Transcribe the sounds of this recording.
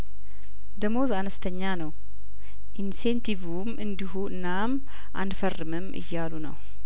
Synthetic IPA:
d̪əmozanəst̪ʰəɲːanəw | ʔinsent̪ʰivumɨnd̪iɦuɨ̰nːam | ʔa̰nfərːɨmɨmʔɨ̰jːalunə̰w

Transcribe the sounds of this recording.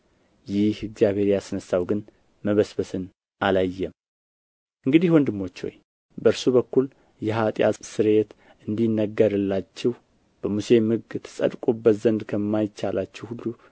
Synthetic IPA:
jɪhɨɡzijaβhe̞ɾijasɨnəsːawɡɨn | məβəsbəsɨn | ʔalajːɛm | ʔɨŋɡɨd̪ihwɔnd̪ɨmːo̞t͡ʃːho̞̰j | bəɨɾsuβəkːul | jɛɦat̪ʼja̰sɨɾe̞t̪ | ʔɨnd̪inːəɡːəɾɨlːat͡ʃːɛh | b̥əmuse̞mɨɡt̪ʰɨ̥sʼə̰d̪kʼubəzənd̪kʰəmːajɪt͡ʃːalat͡ʃːɛwhulːu

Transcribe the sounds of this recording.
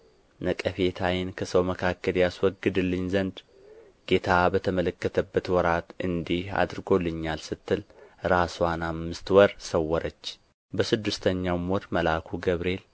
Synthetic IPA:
nəkʼəfe̞t̪ʰajɪnkʰəsəwməkʰakːəljaswɔɡːɨd̪ɨlːɨɲzənd̪ | ɡ̥e̞t̪ʰabət̪ʰəmələkːət̪ʰəbːət̪wɔɾat̪ɨnd̪iha̰d̪ɾɨɡo̞lɨɲːalsɨt̪ːɨlɾaswanamːɨst̪wɔɾsəwːɔɾət͡ʃː | bəsɨd̪ːɨst̪ʰəɲːawmɔɾməlakʰuɡəβɾe̞l

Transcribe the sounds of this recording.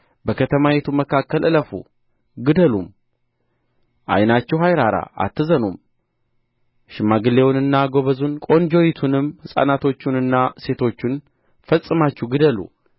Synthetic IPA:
bəkʰət̪ʰəmaje̞t̪ʰuməkʰakːəlʔɨləfṵ | ɡɨd̪əlum | ʔa̰jnat͡ʃːɛwhajɾaɾa̰a̰t̪ːɨzənum | ʃɨmːaɡɨlːe̞wnɨnːaɡo̞βəzunkʼo̞nd͡ʒo̞jit̪ʰunɨmhɨsʼa̰nat̪ʰo̞t͡ʃːunɨnːase̞t̪ʰo̞t͡ʃːun | fəsʼɨmat͡ʃːuɡɨd̪əlṵ

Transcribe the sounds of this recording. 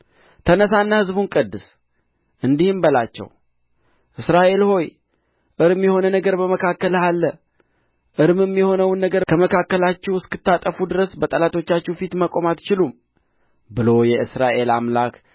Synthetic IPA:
t̪ʰənəsanːahɨzbunkʼəd̪ːɨs | ʔɨnd̪ihɨmbəlat͡ʃːɛ̰w | ʔɨsɾaʔe̞lho̞j | ʔɨɾɨmjɛho̞nənəɡəɾbəməkʰakːəlalːə | ʔɨɾmɨmːjɛho̞nəwnːəɡəɾkʰəməkʰakːəlat͡ʃːɛwɨskɨt̪ːat̪ʼəfud̪ɨɾəsbət̪ʼəlat̪ʰo̞t͡ʃːat͡ʃːɛwfit̪məkʼo̞mat̪t͡ʃɪlum | bɨlo̞jɛʔɨsɾaʔe̞lamlak

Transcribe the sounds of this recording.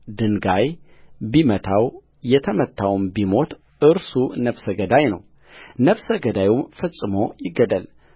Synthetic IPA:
d̪ɨŋɡajbimət̪ʰaw | jɛt̪ʰəmət̪ʰːawmbimo̞t̪ | ʔɨɾsunəfsəɡəd̪ajnə̰w | nəfsəɡəd̪ajumfəsʼːɨmo̞jɪɡəd̪əl

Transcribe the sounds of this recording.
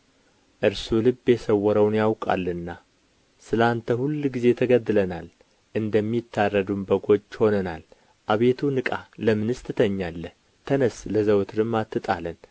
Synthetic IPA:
ʔɨɾsulɨbjɛsəwːɔɾəwnjawkʼa̰lːɨnːa | sɨlant̪ʰəhulːɡize̞t̪ʰəɡəd̪ɨlənal | ʔɨnd̪əmːit̪ʰːarːəd̪umbəɡo̞d͡ʒːho̞nənal | ʔaβe̞t̪ʰunɨkʼaləmɨnɨst̪ʰɨt̪ʰəɲːalːə | t̪ʰənəsləzəwt̪ʰɾɨmːat̪ːɨt̪ʼalən

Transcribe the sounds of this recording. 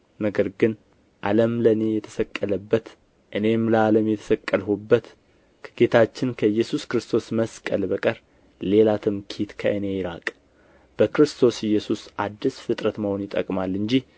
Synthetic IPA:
nəɡəɾɡɨn | ʔa̰ləmləne̞jɛt̪ʰə̥səkʼːələbːət̪ | ʔɨne̞mləaləmjɛt̪ʰə̥səkʼːəlɦubːət̪ | kʰə̥ɡ̥e̞t̪ʰat͡ʃːɪnkʰəjːɛsuskɾɨst̪ʰo̞sməskʼəlbəkʼəɾ | le̞lat̪ʰɨmkʰit̪kʰəʔɨne̞jɪɾakʼ | b̥əkɾɨst̪ʰo̞sɪjːɛsusʔad̪ːisfɨt̪ʼɾət̪məho̞njɪt̪ʼə̰kʼmalːɨɲd͡ʒih

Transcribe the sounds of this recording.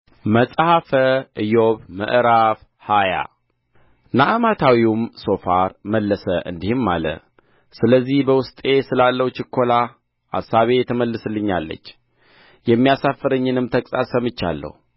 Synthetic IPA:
məsʼhafəʔɨjoβmə̰ʔɾaf | haja̰ | naʔɨmat̪ʰawiwumso̞faɾməlːəsəʔɨ̰nd̪ihmːa̰lə̰ | sɨləzːihbəwʊst̪ʼe̞sɨlalːəwt͡ʃɪkʰːola | ʔa̰sːaβe̞jɛt̪ʰəməlːɨsɨlːɨɲːa̰lːə̰t͡ʃː | jɛmːijasafːəɾəɲːɨnɨmt̪ʰəkʼsʼa̰səmɨt͡ʃːa̰lːə̰hu

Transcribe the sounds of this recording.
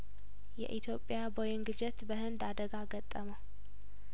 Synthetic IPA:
jɛ̰ʔit̪ʰjo̞pʼːɪjabojɪŋɡɨd͡ʒɛt̪bəhɨnd̪ad̪əɡaɡət̪ʼːəmə

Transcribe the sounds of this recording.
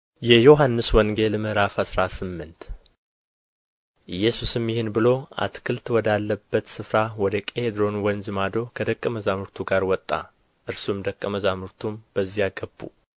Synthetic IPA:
jɛjo̞ɦanːɨswɔŋɡe̞lmɨhɾafhasɾasɨmːɨnt̪ | ʔɨjːɛsusɨmjɪhɨnbɨlo̞a̰t̪kʰɨlt̪wɔd̪alːəbːət̪sɨfɾawɔd̪əkʼed̪ɾo̞nwɔnd͡ʒɨmad̪o̞kʰəd̪əkʼːəməzamɨɾt̪ʰuɡaɾwɔt̪ʼːa̰ | ʔɨɾsumd̪əkʼːəməzamɨɾt̪ʰumb̥əzːijaɡəbːṵ

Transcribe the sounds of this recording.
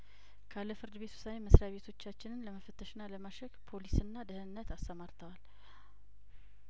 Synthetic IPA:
kʰalːəfɨɾd̪ɨβe̞t̪ʰu̥sawməsɾaβe̞t̪ʰo̞t͡ʃːat͡ʃːɪnɨnləməfət̪ʰːəʃɪnːaləmaʃəkpʰo̞lisɨnːad̪əhnːət̪ast̪ʰəmaɾt̪ʰəwal

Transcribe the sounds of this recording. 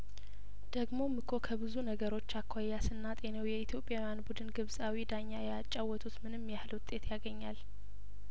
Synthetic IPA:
d̪̥əɡmo̞mɨkʰːo̞kʰəbɨzunəɡəɾo̞t͡ʃːakʰːwajːasɨnːat̪ʼe̞nəwjɛit̪ʰjo̞pʼːjawjanbud̪ɨnɡɨβsʼawid̪aɲːajɛat͡ʃʼːawːɔt̪ʼut̪mɨnɨmːjɛhɨlwʊt̪ʼːe̞t̪ʰjaɡəɲːal

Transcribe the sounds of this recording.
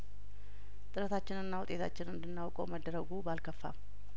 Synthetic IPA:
t̪ʼɨɾət̪ʰat͡ʃːɪnɨnːawʊt̪ʼet̪ʰa̰t͡ʃːɪnɨnd̪ɨnːawkʼowməd̪ːəɾəɡubalkʰəfːa̰

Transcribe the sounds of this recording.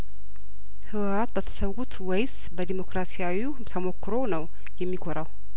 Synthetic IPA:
hɨwat̪bət̪ʰə̥səwɡut̪wɛjs | bəd̪imo̞kɾasijawi | t̪ʰəmo̞kːɨɾo̞nəw | jɛmːikʰoɾaw

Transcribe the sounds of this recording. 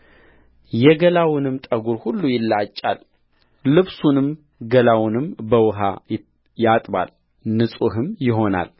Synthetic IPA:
jɛɡəlawnɨmt̪ʼəɡuɾhulːujɪlːat͡ʃʼːa̰lː | ɨβsunɨm | ɡəlawnɨmbəwʊɦa̰j | jat̪ʼba̰l | nɨsʼuɦɨmjɪɦo̞na̰l

